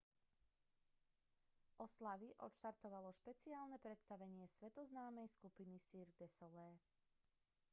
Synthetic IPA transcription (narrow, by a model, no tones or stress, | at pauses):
ʔɔslaʋiʔɔ̰t̪ʃt̪aɾt̪ɔʋalɔʃpɛt͡siaːlnɛpɾɛt̪st̪aʋɛɲɪɛsʋɛt̪ɔznaːmɛjskupinisiːɾɡd̪ɛsɔlɛː